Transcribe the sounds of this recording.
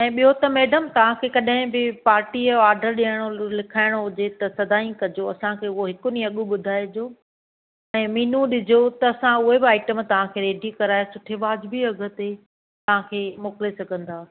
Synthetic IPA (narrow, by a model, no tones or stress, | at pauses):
ɛ̃ːɓijɦot̪ɐmeːɖəmt̪ɐʋ̤ãkʰeːkɐɗɦɪ̃bɪpaːɾʈiɔːɾɖəɾɗiəɽ̃olɪkʰaːɪɽ̃oɦʊd͡ʑet̪ɐsɐd̪ʱaːĩkɐd͡ʑoɐsãkʰeːʊɦoɦɪkʊnĩɐɠuɓʊd̪ʱaːed͡ʑoː | ɛ̃ːmiːnũɗɪd͡ʑʱot̪ɐːsãʊɦebɪaːɪʈəmt̪ɐʋ̤ãkʰeːɾeːɖikɐɾaːjosʊʈʰeʋaːd͡ʑbʱiɐɡʱə̆t̪e | t̪ɐʋ̤ãkʰeːmoːkɪlesɐɡʱə̃nd̪aː